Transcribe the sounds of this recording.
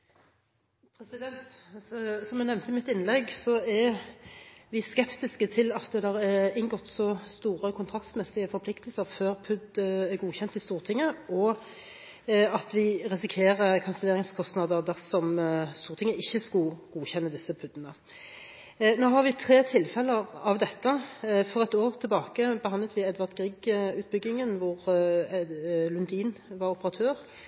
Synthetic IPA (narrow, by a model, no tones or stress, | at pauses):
pʰɾɛsɪd̪ɛnt̪ | sɔmjɛnɛmnt̪əɪmɪt̪ːɪnːlɛɡːsɔɛ | ʋɪskɛpt̪ɪskət̪ʰɪlɑt̪ːd̪ɛæʁɛɪŋɡɔt̪ːsɔst̪uːʁəkʰʊnt̪ʰʁɑkt̪smɛsɪəfɔɾpʰlɪkt̪əlsəʁføːʁpʰʉd̪æɡuːçɛnt̪ɪst̪uːʁt̪ʰɪŋːəɔ | ɑt̪ʋɪʁɪsɪkʰeːʁəkʰɑnsəleːʁɪŋskʰɔst̪nɑd̪əʁd̪æʁsɔmst̪uːʁt̪ɪŋːəɪçːəskʉɡ̥uːçɛnːəd̪ɪsːəpʰʉd̪ːənə | noːɦɑʁʋɪt̪ʰʁeːt̪ʰɪlfɛləʁɑʋd̪ɛt̪ːəfɔʁɛt̪oːʁt̪ʰɪlbɑːkəbəhɑnd̪lət̪ʋɪɛd̪ʋɑʁt̪ɡʁiːɡʉːt̪̚bʏɡːɪŋənʋʊʁ | lʉnd̪iːnʋɑɾɔpəʁɑt̪ʰøːʁ